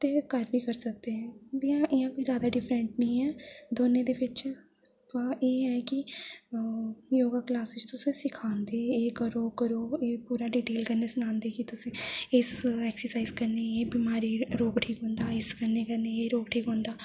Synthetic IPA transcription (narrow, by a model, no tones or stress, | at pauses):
t̪eːkəɾbiːkəɾsək̚d̪eːɦɛ̃ːd͡ʒijãːʔɪjãːkoːizjaːd̪aːɖɪfʰɾə̃ɳʈnəĩːɦɛːd̪oːnẽːd̪eːʋɪt͡ʃ | pãːʔeːɦɛːkɪ | joːɡaːklaːsɪst̪ʊsẽsɪkʰãːnd̪eːeːkəɾoːkəɾoːeːpuːɾaːɖiːʈeːlkəɾneːsʊnãːnd̪eːkit̪ʊsẽːɪsɛːksəɾsaːizkəɾneːeːbiːmaːɾiːɾoːɡʈʰiːkɦõːnd̪aːɪskəɾneːkəɾneeːɾoːɡʈʰiːkɦõːnd̪aː